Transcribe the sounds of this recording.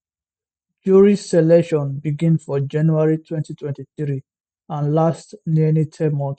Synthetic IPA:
d͡ʒuɹisɛlɛʃɔ̃nbiɡĩnfɔd͡ʒãnjuaɹitʰwɛ̃ntitʰwɛ̃ntiθɹi | ãnlastninitʰɛmɔ̃nt

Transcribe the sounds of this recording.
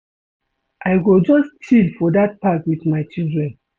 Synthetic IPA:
ʔaɪɡod͡ʒɔstʰilfɔdat̚pakwitmaɪt͡ʃildɹɛ̃n

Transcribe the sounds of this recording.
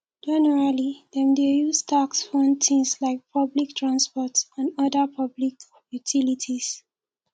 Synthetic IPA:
d͡ʒɛnəɹalidɛ̃mdejustʰaksfɔ̃ntʰĩŋslaɪk̚pʰʌblik̚tʰɹãnspɔtsãnʌdəpʰʌblik | jutʰilitʰis

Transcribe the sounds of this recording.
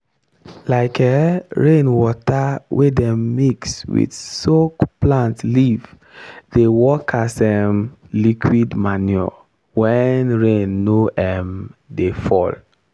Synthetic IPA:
laɪkʰɛɹẽnwɔtawʔedɛ̃mːikswḭdsokplãntliv | dewɔkasɛmlikʰwidmanjɔ̰ | wɛnɹẽnːoʔɛmdefɔ̰l

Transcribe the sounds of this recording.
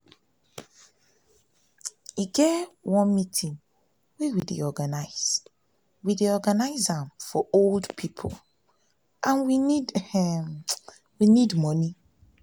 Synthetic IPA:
iɡɛwɔ̃nmitʰĩŋ | wɛwidḛɔɡanaɪz̥ | wideɔɡanaɪzãmfɔoldpʰipʰo̰lˠ | ʔãnwinid | winidmɔni

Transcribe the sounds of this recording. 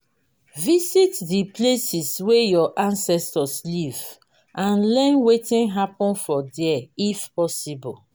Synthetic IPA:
visitdiplesiswejɔʔãnsɛstɔsliv | ʔãnlɛ̃nwetĩnɦapɔ̃nfɔdɛɛifpɔsibɔl

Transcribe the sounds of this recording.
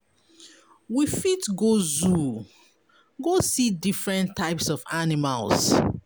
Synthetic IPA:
wifitɡozu | ɡosidifɹɛ̃ntʰːaɪpsɔvanima̰ls

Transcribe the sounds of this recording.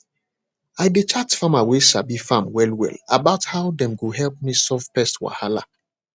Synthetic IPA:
ajdet͡ʃatfãmawesabifãmwɛlwɛ̰labaʊthaʊdɛ̃mɡoɦɛlp̚misɔfpɛstwa̰hala̰

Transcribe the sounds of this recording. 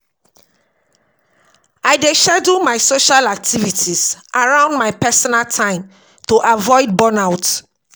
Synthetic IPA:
aɪdeʃɛdumaɪsoʃalak̚tʰivitʰizʔaɹãʊ̃ndmaɪpɛsɔnaltʰãɪ̃m | toʔavɔɪd̚bɔnaʊt

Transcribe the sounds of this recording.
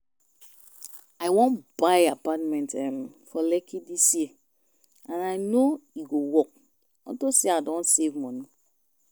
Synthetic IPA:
aɪwɔ̃nb̥aɪapatmɛ̃ntɛmfɔlɛkʰidisji | ãnaɪnoiɡowɔk̚ | ɔ̰̃ntoseadɔ̃nsevmɔ̃ni

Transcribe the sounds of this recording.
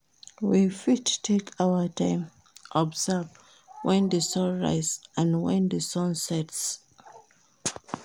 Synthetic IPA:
wifittʰekʰawətʰãɪ̃m | ʔɔbzəv | wɛ̃nðəsɔ̃nɹa̰ɪzãnwɛ̃ndəsɔ̃nsɛts

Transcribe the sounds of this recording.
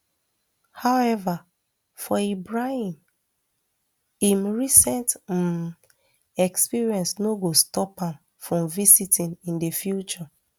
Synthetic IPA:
hawɛva | fɔibɹahĩm | ĩmɹisɛ̃nt | ɛkspiɹiɛ̃nsnoɡostɔpãm | fɹɔ̃mvisitĩnĩndefjut͡ʃɔ

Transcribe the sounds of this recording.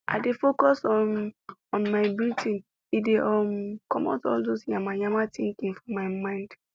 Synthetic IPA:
ʔa̰ɪdefokɔsɔnɔ̃nmaɪbiltʰĩn | ideʔɔmkɔmɔ̰tɔldosθĩŋãmajamatĩŋkĩŋfɔmaɪmãɪ̃nd̥

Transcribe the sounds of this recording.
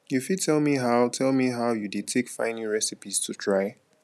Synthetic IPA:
jufid̚tʰɛlˠmiɦaʊtʰɛlˠmiɦaʊjudetʰekfã̰ɪ̃niɹɛsipiz̥tʰutʰɹaɪ

